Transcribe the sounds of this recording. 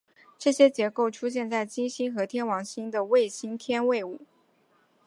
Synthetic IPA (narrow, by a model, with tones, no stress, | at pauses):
ʈ͡ʂɤ˥˩ɕjɛ˥t͡ɕjɛ˧˥ko˥˩ʊʈ͡ʂʰu˥ɕ̬jɛ˥˧nt͡sa˥˩ɪt͡ɕi˥nɕi˥nxɤ˧˥t̪ʰjɛ˥nwɑ˧˥ŋɕi˥nd̪ə˨we˥˩ɪɕi˥nt̪ʰjɛ˥nwe˥˩ɪu˨˩˦